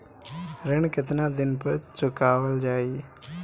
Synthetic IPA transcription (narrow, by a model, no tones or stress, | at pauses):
ɾɪɳkɪt̪naːd̪ɪnpəɾt͡ʃʊkaːʋəld͡ʒaːiː